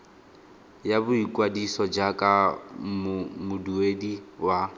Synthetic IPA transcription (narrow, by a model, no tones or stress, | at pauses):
jabʊikʼwadisɔd͡ʒakʼammʊduediwa